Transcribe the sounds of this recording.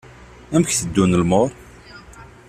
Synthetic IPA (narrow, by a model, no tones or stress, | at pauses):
æmçθəd̪ːunəlmoɾˤ